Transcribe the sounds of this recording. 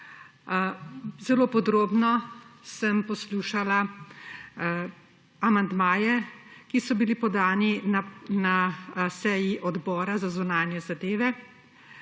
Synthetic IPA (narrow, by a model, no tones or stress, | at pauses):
zɛloːpɔd̪ɾoːbnɔsəmpɔsluːʃala | amand̪maːjɛkisɔbilipɔd̪aːninasɛːjiʔɔd̪bɔːɾazazunaːnjɛzad̪eːʋɛ